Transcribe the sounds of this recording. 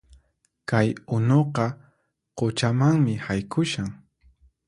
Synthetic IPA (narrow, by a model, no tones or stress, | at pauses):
kajʊnoqɑ | qot͡ʃamaŋmɪhajkʰʊʃaŋ